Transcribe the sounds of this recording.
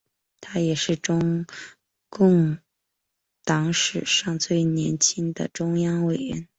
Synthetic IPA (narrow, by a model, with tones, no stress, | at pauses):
t̪ʰa˥jɛ˨˩ʂɻ̩˥˩ʈ͡ʂʊ˥ŋ | kʊ˥˩˧ŋ | t̪ɑ˧˥ŋʂɻ̩˨˩ʂɑ˥˧ŋt͡swe˥˩ɪnjɛ˧˥nt͡ɕʰi˥ŋd̪ə̰˨ʈ͡ʂʊ˥ŋjɑ˥ŋwe˨˩ɪɻɛ̰˧˥n